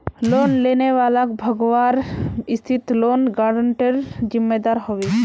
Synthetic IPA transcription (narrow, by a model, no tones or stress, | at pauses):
lonleneʋalakbʱəɡɔʋaɾist̪ʰit̪lonɡaɖəɳʈeɾd͡ʒimːed̪aɾhɔwe